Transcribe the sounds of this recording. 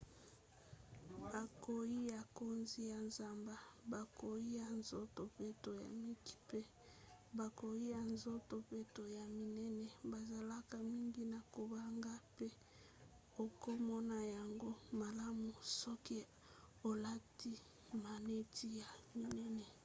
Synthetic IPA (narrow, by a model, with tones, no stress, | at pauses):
ba˨ko˨ji˦ja˨ko˦nzi˦ja˨nza˨mba˦ba˨ko˨ji˦ja˨nzo˦to˨pe˦to˨ja̰˨mi˦ki̥˦pe˦ | ba˨ko˨i˦ja˨nzo˦to˨pe˦to˨ja˨mi˨nɛ˦nɛ˨ba˨za˨la˦ka˨mi˦ŋɡi˦na˨ko˨ba˦ŋɡa˦pe˦ | o˨ko˦mɔ˦na˨ja˨ŋɡo˦ma˨la˦mu˨sɔ˦ki˦ | o˨la˦ti˦ | ma˨ne˦tʰi˦ja˨mi˨nɛ˦nɛ˨